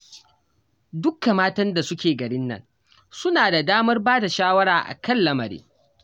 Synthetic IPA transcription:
dʊ˦kːa˨maː˦tɐ˦nda˨sʊ˦kʲeː˨ɡɐ˨ɽɪ˦nːɐ̰˦n | sʊ˦naː˨da˨daː˦mɐ˦rbaː˦da˨ʃaː˦wɐ˦ɽaː˨ʔa̰˨kɐ˦lːɐ˦mɐ˨ɾḭː˦

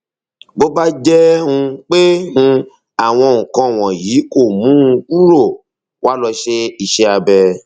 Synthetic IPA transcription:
bo˦ba˦d͡ʒɛ˦hũ˧k͡pe˦nũ˧ | a˨w̃ɔ̃˧˨ŋ̩ũ˨kã˧˨w̃ɔ̃˨jiː˨˦ko˦˨mũ˨˦˧u˦ɾo˦˨ | wʔa˦lɔ˧ʃe˧i˨ʃe˦a˧bɛ˧

